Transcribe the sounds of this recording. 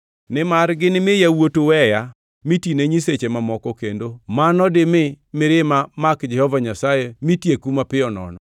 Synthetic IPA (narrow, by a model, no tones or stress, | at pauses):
nɪmarɡɪnɪmɪjawotowɛja | mitineɲiset͡ʃemamɔkɔkendomanɔdɪmɪ | mɪɾɪmamakd͡ʒɛhɔvaɲasajemitjekumapɪɔnɔ̰nɔ